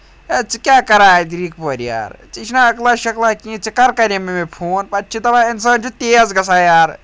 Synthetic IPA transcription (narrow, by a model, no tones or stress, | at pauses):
ɐt͡sɨkʲjaːkɐɾaːd̪ɾiːk̚poːɾja̰ːɾt͡ʃit͡ʃʰnaɐklaːʃɐklakĩːt͡sikɐɾkɐɾimemepʰoːnpɐt͡ʃʰit̪ɐbaensɐːnt͡ʃʰut̪eːzɡɐsaːjaːɾ